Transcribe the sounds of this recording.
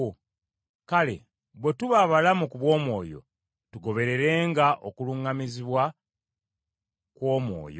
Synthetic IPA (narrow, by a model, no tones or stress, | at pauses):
kale̞̰ | βwe̞tuβaβalamukuβwo̞ːmwo̞ːjo̞̰ | tuɡo̞βe̞ɾe̞ɾe̞ːŋɡaʔo̞kuluŋamiziβwa | kwo̞ːmwo̞̰ːjo